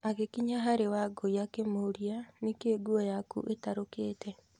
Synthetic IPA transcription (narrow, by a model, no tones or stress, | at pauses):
aɣekiɲaɦaɾewaɡoiakemoɾianekeːɡuɔjakṵʔetaɾokeːtʰɛ